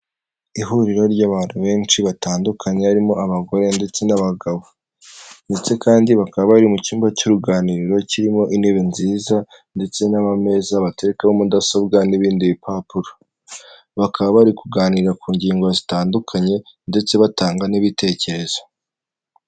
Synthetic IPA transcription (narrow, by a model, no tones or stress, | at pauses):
iɦuɾiɾo̞ɾɟaːβaːn̥huβe̞ːnt͡ʃiβatʰaːndukʰaɲe̞aɾimo̞ʔaβaɡo̞ɾe̞nde̞t͡se̞naβaɡaβo | nde̞t͡se̞kaːndiβakaβaβaɾimuciːmbacoɾuɡaːniɾiɾo̞ciɾimo̞ʔine̞βe̞nziːza | nde̞t͡se̞naβame̞zaβate̞ɾekaβomudasobɡaniβiːndiβipʰapuɾo | βakʰaβaβaɾikuɡaːniɾiɾakuːɲɟiːŋɡo̞zitaːndukʰaɲe̞nde̞t͡se̞βataːŋɡaniβitʰe̞ːce̞ɾe̞z̥ḁ